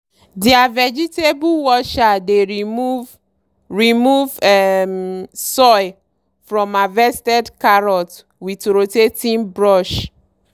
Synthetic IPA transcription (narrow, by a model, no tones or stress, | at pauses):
diavɛd͡ʒitebuwɔʃadeɾimu | ɹimuvɛmsɔj | fɹɔ̃mavɛstɛdkaɹɔt | witɾotetĩnbɹɔʃ